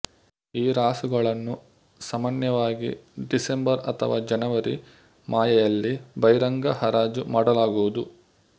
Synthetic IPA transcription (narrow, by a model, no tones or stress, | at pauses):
iːɾaːsuɡɐɭɐnːu | sɐmanjɐʋaːɡḭɖisembɐɾɐt̪ʰɐ̰ʋaːd͡ʒɐnɐʋɐɾi | maːjɐjɐlːibɐjɾɐŋɡɐhɐɾaːd͡ʒumaːɽɐlaːɡuʋud̪u